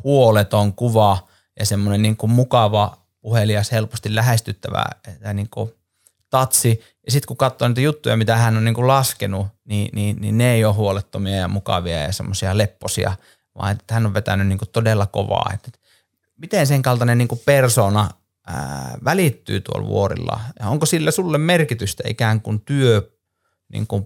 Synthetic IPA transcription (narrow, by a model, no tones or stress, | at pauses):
huolet̪oŋkuʋɑ | jɑ̰semːonenniːŋkummukɑʋɑ | puheliɑshelpost̪illæhest̪yt̪ːæʋæ̰et̪ːæniːŋku | t̪ɑt̪si | jɑsit̪kukɑt̪ːoniːt̪jut̪ːujɑ̰mit̪æhænːoniːŋkullɑskenuniːniːnḭneeioːhhuolet̪ːomiɑjɑmukɑ̰ʋiɑ̰jɑ̰sḛmːosiɑlepːosḭɑ̰ | ʋɑ̰ˑiet̪ːet̪hænːoʋʋet̪ænynniːŋkut̪odelːɑko̰ʋɑ̰ːḛt̪ːet̪ | mit̪enseŋkɑlt̪ɑnenniːŋkupersoːnɑ | əʋælit̪ːy̰ːt̪uo̰lʋṵorḭlːɑ̰jɑoŋkosilːæsulːemmerkit̪yst̪æḭkæːŋkunt̪yø | nḭːŋku